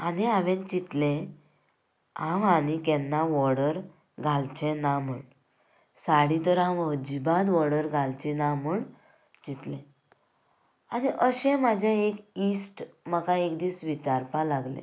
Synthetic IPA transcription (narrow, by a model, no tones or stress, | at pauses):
aniaʋɛ̃t͡ɕit̪lẽ | ãʋanikɛnːaʋɔɽəɾ | ɡʱalt͡ɕɛ̃naməɳ | saɽit̪əɾãʋəd͡ʑibãd̪ʋɔɽəɾɡʱalt͡ɕinamuɳ | t͡ɕit̪lẽ | aniʔəɕɛ̃mad͡ʑʱeekisʈməkãekd̪iːsʋit͡ɕaɾpalaɡlḛ̃